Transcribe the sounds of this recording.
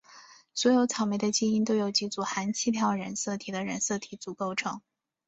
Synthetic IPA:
swɔ˧˥jo˧˥ʊt͡sʰɑ˨˩ʊme˧˥ɪd̪ə˧t͡ɕi˥i˥nt̪o˥ʊjo˨˩ʊt͡ɕi˧˥t͡su˨˩xa˧˥nt͡ɕʰi˥p̪ʰjɑ˥˩ʊɻə˧˥nsɤ˥˩t̪ʰi˨˩d̪ə˧ɻə̰˧˥nsɤ˥˩t̪ʰi˧˥t͡su˨˩ko˥˧ʊʈ͡ʂʰɤ̰˧˥ŋ

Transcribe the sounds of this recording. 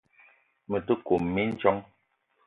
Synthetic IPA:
mə˨tə˦ko˨mː˨i˦n̩˦t͡ʃɔ˦ŋ

